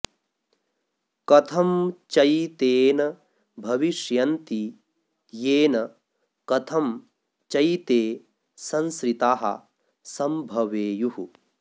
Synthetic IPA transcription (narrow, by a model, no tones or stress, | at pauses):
kɐt̪ʰɐmt͡ʃɐjt̪eːnɐ | bʱɐʋiʃjɐnt̪i | jeːnɐ | kɐt̪ʰɐm | t͡ʃɐjt̪eː | sɐ̃nskɾit̪aːɦɐ̰ | sɐmbʱɐʋeːjuɦu